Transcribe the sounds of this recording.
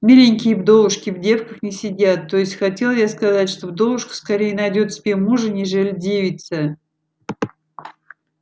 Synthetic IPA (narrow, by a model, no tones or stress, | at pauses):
mʲilʲɪnʲkʲɪjəbd̪o̞vʊʂkʲɪvdʲe̞fkəxnʲɪsʲɪdʲat̪ːo̞jɪsʲtʲxɐtʲe̞lˠjaskɐzatʲʂt̪ovd̪o̞vʊʂkə̥skɐɾʲejɪnɐjdʲot̪sʲɪbʲemuʐɨnʲɪʐɛlʲdʲevʲɪt̪sʲə